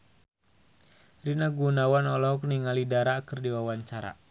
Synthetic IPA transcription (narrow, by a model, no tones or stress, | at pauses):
rinaɡunawanɔlɔɦɔkniŋalidaɾakɨrdiwawaɲt͡ʃaɾa̰